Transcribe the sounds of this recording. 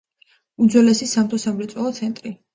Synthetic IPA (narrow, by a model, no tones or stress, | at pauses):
ud̪zwɛlɛsisamt̪ʰʼɔsamɾɛt̪sʼwɛlˠɔt̪sʰɛnt̪ʼɾi